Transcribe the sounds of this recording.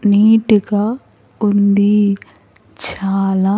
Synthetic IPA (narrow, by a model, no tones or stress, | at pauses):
niːʈiɡa | und̪i | t͡ʃaːlaː